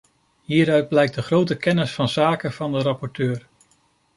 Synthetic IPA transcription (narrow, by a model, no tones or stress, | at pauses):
ɦiːɾœɥd̚blɛjk̚dəχrowtəkɛnɪsfɑnzaːkəvɑndəɾɑpɔɹtøːɹ